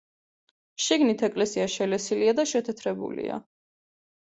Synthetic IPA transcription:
ʃiɡnit̪ʰɛkʼlɛsiaʃɛlɛsiliad̪aʃɛt̪ʰɛt̪ʰɾɛbṵlḭa̰

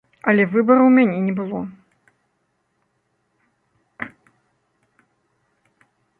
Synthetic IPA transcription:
ɐlʲɛvɨbɐɾɐwmʲanʲɛnʲɛbɨlˠɔ

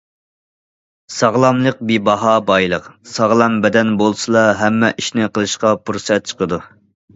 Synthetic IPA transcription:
sɑʁlˠɑmlˠəq̚bibɑɦɑbɑjlˠəqsɑʁlˠɑmbɛd̪ɛnbolˠsɨlˠɑɦɛmːɛʔiʃnɪqəlˠɨʃqɑpʰuɾsɛt̪̚t͡ʃʰə̥qəd̪u

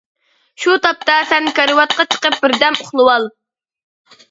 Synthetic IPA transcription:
ʃut̪ʰɑp̚t̪ɑsɛnkɑɾɨwɑt̪̚qɑt͡ʃʰə̥qəp̚bɪɾd̪ɛmʊχlˠɨwɑlˠ

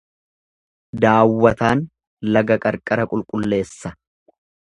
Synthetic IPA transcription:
d̪aːwːɐt̪aːn | lɐɡɐkʼɐɾkʼɐɾɐkʼʊlkʼʊlːe̞ːsːɐ

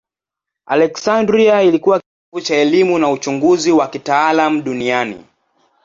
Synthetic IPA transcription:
a̰lɛksandɾiailikuwak | ut͡ʃaɛlimunaut͡ʃuŋɡuziwakitaalamuɗunianḭ

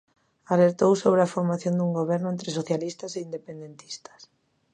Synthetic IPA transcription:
aleɾt̪owsoβ̞ɾeafoɾmaθjond̪uŋɡoβɛɾnʊẽnt̪ɾɪsoθjalist̪aseind̪epend̪ent̪i̥st̪ḁs

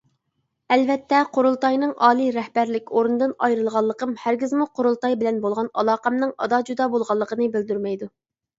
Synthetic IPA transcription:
ɛlvɛt̪ʰːɛqʰoɾulˠt̪ɑjnɨŋʔɑːlˠiɾɛhbæɾlɪkʲoɾɨnd̪ɨnɑjɾɨlˠʁɑlˠːəqəmhæɾɡʲɪzmuqʰoɾulˠt̪ɑjbɪlɛnbolˠʁɑnɑlˠɑːqɑmnɨŋɑ̰d̪ɑd͡ʒud̪ɑbolˠʁɑlˠːəqʰənɨbɪld̪yɾmɛjd̪u

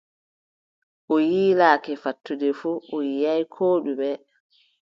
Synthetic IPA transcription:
ʔɔjiːlaːkɛfatːudɛfuɔjijajkʰoːɗuɓɛ

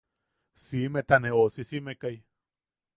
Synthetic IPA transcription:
simet̪aneosisimekaj

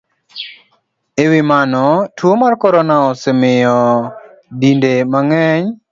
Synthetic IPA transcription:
ewimanɔtwomarkɔɾɔnaɔsɪmɪjɔ | dindemaŋɛɲ

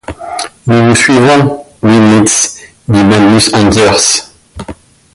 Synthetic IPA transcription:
nuvusɥivɔ̃limit̪s | d̪imadysɑ̃d̪ɛʁs

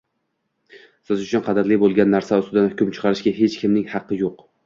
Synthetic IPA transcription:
sɪzʊt͡ʃʰʊnqʰɑd̪ɪɾlɪbolˠɡʲanːaɾsaʊst̪ɪd̪anhʊkʲʊmt͡ʃʰɨ̥qʰɑɾɪʃɡʲaɦe̞t͡ʃkʲʰɪmnɪŋhɑqʰːɨjoq

